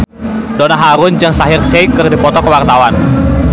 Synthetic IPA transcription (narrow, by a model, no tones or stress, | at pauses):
donaɦaɾʊnd͡ʒaŋsaɦɪrsɛikɨrdipɔt̪ɔkəwart̪awan